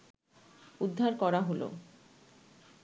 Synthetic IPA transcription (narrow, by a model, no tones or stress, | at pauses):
ud̪ʱːaɾkɔɾaɦolo̰